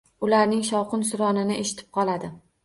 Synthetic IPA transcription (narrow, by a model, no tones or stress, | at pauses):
ʊlaɾnɪŋʃɒwqʊnsʊɾɒnɪnɪʔeʃɪ̥t̪ʰɪ̥p̚qʰɒlˠad̪ɪ